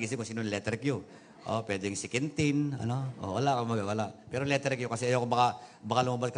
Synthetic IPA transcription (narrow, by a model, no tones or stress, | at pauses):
ɡiːs̬ɪŋkʊŋsiːnonlɛt̪ɾɪkjo | ʔo̰pwɛd̪ɪjŋsɪkɛnt̪ɪnɐ̰noʔo̰wɐlaʔkomɐɡawalaʔpɛɾolɛt̪ɾɪk̚jokɐsɛɐjokobɐkabɐkalʊmabaskɐ